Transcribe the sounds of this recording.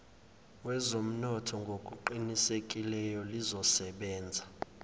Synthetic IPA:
wɛzom̩nɔtʰɔŋɡʱokʼuǃinisek̬ʼilɛjɔlizɔsɛɓɛːnd͡zʱa

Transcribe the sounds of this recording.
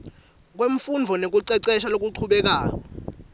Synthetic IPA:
k̬weɱ̩fund͡vʱɔnek̬uǀɛǀɛʃalok̬uǀʰuɓɛk̬aːk̬ɔ

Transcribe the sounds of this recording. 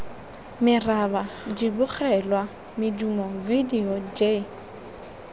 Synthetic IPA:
mɪrabad͡ʒibʊk͡xɛlwa | mɪdumɔvidiɔd͡ʒe

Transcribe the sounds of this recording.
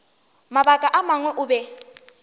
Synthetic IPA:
maɓakʼaʔamaŋwɛʔuɓɛ

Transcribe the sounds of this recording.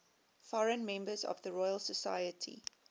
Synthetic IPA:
fɔɹə̃nmɛ̃mbəzɔ̰vðəɹɔjəlsəsajətʰḭ

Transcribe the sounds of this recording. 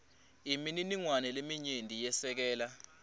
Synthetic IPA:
imininiŋwanɛlemiɲendʱijɛsɛk̬ɛːla

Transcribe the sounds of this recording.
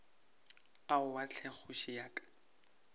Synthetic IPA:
aʊwat͡ɬʰɛχʊʃɪjaːkʼḁ

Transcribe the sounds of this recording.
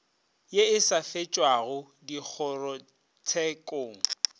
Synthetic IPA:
jeɪsafet͡ʃʼwaɣʊ | dik͡xʰɔrɔ | t͡sʰɛkʼoːŋ̩

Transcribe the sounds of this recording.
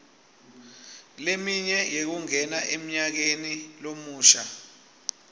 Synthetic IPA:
lemiɲɛjek̬uŋɛnaʔem̩ɲak̬enilomuːʃa̰

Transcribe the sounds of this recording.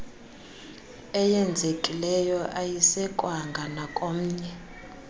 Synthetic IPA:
ɛjɛnd͡zʱekʼilɛjɔʔajisɛkʼwaŋɡʱanakʼom̩ːɲɛ

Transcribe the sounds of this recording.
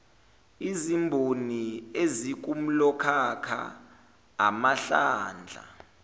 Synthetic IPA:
izimbʱoniezik̬um̩lɔkʰakʰa̰ː | maɬaːnd͡ɮʱa̰

